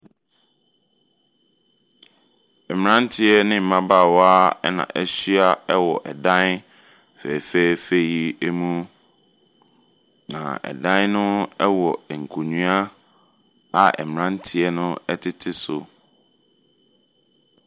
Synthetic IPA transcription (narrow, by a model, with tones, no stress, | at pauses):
ɛ˨m˨ɾã˦n˦tʰɪ˦ɛ˦nɪ̃˦m̩˨mã˦ba˦˨wɔ˦a˦ɛ˦nã̰˨ʔɛ˦ɕɥa˦ɛ˦wɔ˨ʔɛ˨dã˦n | fɛ˨fe˦˨fe˦ji˦e˦mũ˦ | nã̰˨ɛ̰˨dã˦nnʊ̃˦ɛ˦wɔ˨ŋ̩˨kʰu˨ɲũ˦a˦ | a˨ʔɛ̰˨m˨ã˦n˦tʰɪ˨ɛ˦nʊ̃˦ɛ˦tʰɪ˦tʰɪ˦sʊ˨